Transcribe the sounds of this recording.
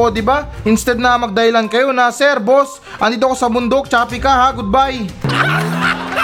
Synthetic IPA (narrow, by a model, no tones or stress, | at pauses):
od̪ɪbaʔɪnst̪ɛd̪̚nɐmɐɡ̚d̪ɐhɪlankɐjo̞nɐsɛɾbos | ʔɐnd̪iːt̪oko̞sɐmʊnd̪ok̚t͡ʃaːpɪkahaɡʊd̪̚baj